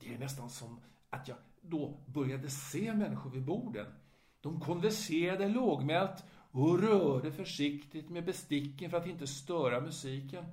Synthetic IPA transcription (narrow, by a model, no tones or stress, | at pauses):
d̥̪ɛæɾnɛst̪ansɔm | at̪ʰjɑːɡ | d̪ɔbœɾjad̪əseːmɛnːɪɧʊɾvɪbuːɖə̰n | d̪̥ɔmkʰɔnvæʂeːɾad̪əloːɡmɛlt̪ɔɾœːɖəfœʂɪkt̪ɪt̪mebɛst̪ɪkːənfœɾat̪ɪnt̪əst̪œːɾamɵsiːkən